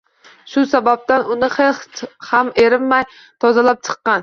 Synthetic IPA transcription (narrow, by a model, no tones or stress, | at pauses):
ʃʊsabap̚t̪anʊnɪχelhhameɾɪmmaj | t̪ʰɒzalap̚t͡ʃʰɨ̥qːɑn